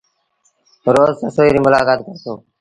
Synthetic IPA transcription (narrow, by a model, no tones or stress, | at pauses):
ɾoːzsəsoːiːɾiːmʊlaːkaːt̪kəɾt̪ʰoː